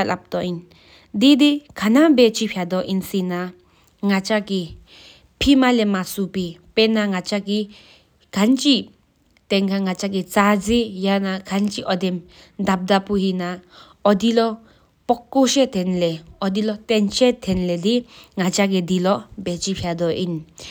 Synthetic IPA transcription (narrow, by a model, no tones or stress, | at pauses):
alʔap̚t̪ɔin | d̪id̪ikʰanabɛt͡ʃipʰjad̪ɔʔinsina | ŋat͡ʃaki | pʰimalɛmasupipɛnaŋat͡ʃaki | kʰant͡ʃi | t̪ɛŋkʰaŋat͡ʃak̬it͡sad͡zijanaɡʰʱant͡ʃiʔɔd̪ɛm | d̪ab̚d̪apuɦina | ɔd̪ilɔ | pɔkːoʃet̪ʰɛnlɛɔd̪ilɔt̪ɛnt͡ʃet̪ʰɛnlɛd̪iŋat͡ʃaɡ̬ed̪ilɔʔbet͡ʃipʰjad̪ɔʔin